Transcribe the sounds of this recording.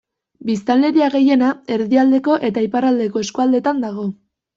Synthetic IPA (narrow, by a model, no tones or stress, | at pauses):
bist̪alːe̞ɾiaɣe̞je̞nae̞ɾðiald̪e̞ko̞ʔe̞t̪aiparald̪e̞ko̞e̞skuald̪e̞t̪and̪aɣ̞o̞